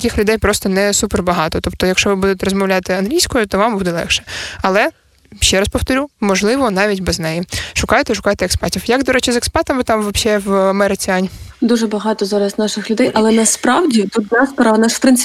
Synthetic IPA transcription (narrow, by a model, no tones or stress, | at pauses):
ɐkɪxlʲʊd̪ɛjpɾɔst̪ɔnɛsuperbɐɦɑt̪ɔt̪ɔp̚t̪ɔjɐkʃt͡ʃɔʋɪbud̪ʊt̪ʲɛɾɔzmɔwlʲɑt̪ɪɐnɦlʲijsʲkɔjʊt̪ɔʋɑmbud̪ɛlˠɛ̰xʃɛ̥ɐlˠɛ | ʃt͡ʃɛɾɐspɔwt̪ɔɾʲumɔʒlˠɪʋɔnɑʋʲitʲbɛznɛjiʃʊkɑjʊt̪ɛiʃʊkɑjt̪ɛːkspɛtʲiwjɐɡd̪ɔɾɛt͡ʃɪzɛkspɛrt̪ɐmɪt̪ɑmʋɐpʃɛʋɐmɛɾɪt͡sʲiɑnʲd̪uʒɛbɐɦɑt̪ɔzɑɾɐzʲnɑʃɪxlʲʊd̪ɛjʔɐlˠɛnɐspɾɑwdʲit̪ut̪̚d̪ʲaspɔɾɐnɑʃpɾɪnʲ